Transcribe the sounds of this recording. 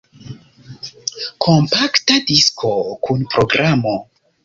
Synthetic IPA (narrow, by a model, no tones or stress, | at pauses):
kʰo̞mpaktadiskʰo̞kunpɾo̞ɡɾamo̞